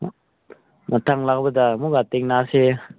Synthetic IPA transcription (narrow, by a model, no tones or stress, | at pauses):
matʰaŋlak̚bɐdamuɡateŋnase